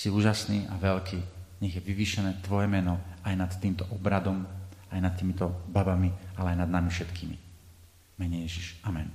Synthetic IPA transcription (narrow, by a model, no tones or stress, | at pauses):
siuːʒasniːʔaʋɛlkiːɲɛɣjɛʋiʋiːʃɛnɛːt̪ʋɔjɛmɛnɔajnat̪t̪iːmt̪ɔʔɔbɾad̪ɔmajnat̪t̪ːiːmit̪ɔbabamialɛajnad̪̚namifʃɛt̪kiːmḭ | mɛɲɛjɛʒiʃamɛn